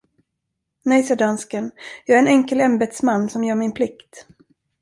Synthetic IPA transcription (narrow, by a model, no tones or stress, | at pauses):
nɛjsæɖanskənjɑːæɾɛnɛŋkəlɛmbɛd̪smanːsɔmjœːɾmɪnpʰlɪkt̪